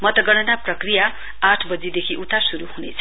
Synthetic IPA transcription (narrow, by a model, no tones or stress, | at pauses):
mʌt̪ʌɡʌɽ̃ʌnaprʌkrija | aʈʰbʌd͡zid̪ekʰiʔut̪asuɾuhunet͡sʰʌ̥